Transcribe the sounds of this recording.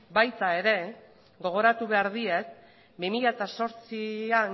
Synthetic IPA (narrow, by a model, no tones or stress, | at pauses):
bajt̪ae̞ɾe̞ | ɡo̞ɣ̞o̞ɾat̪uβe̞aɾðie̞k̚ | bimiʎat̪aso̞ɾt͡sian